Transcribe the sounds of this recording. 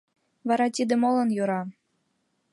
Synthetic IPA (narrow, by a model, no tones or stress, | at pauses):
βɑɾɑt̪ʲid̪ĕmolɤ̆njuɾɑ